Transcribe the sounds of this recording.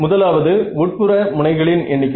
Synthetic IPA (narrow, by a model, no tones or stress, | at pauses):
mʊðɐlaːʋɐðɯʋuːʈ̚pɯrɐmʊɳɐɪɣɐɭɪnʔɛɳːɪkː